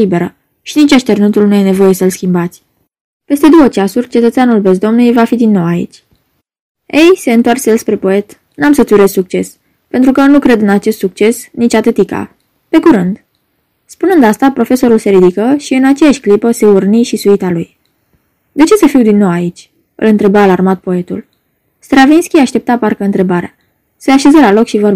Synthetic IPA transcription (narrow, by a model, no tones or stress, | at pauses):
ibe̞ɾə | ʃinit͡ʃaʃt̪e̞rnut̪ulnuje̞ne̞vo̞je̞səɨlskʲimbat̪sʲ | pe̞st̪e̞d̪o̞wət͡ʃasurʲt͡ʃe̞t̪ət̪seanulbe̞z̬d̪o̞mnujjvafid̪inːo̞waḭt͡ʃʲ | e̞jse̞ɨnt̪oarsjelspɾe̞po̞e̞t̪ | namsət̪suɾe̞zsuk̚t͡ʃe̞s | pe̞nt̪ɾukənukɾe̞d̪ɨnat͡ʃe̞st̪suk̚t͡ʃe̞snit͡ʃʲat̪et̪ika̰ | pe̞kuɾɨnd̪ | spunɨnd̪ast̪apɾo̞fe̞so̞ɾulse̞ɾid̪ikəʃiɨnat͡ʃe̞jaʃʲklipəse̞urniʃisuit̪aluj | d̪e̞t͡ʃe̞səfiwd̪inːo̞wait͡ʃʲ | ɨ̰lɨnt̪ɾe̞baːlarmat̪̚po̞e̞t̪ṵl | st̪ɾavinskʲiaʃt̪e̞p̚t̪aparkəɨnt̪ɾe̞baɾea | seaʃe̞zəlalo̞kʃivər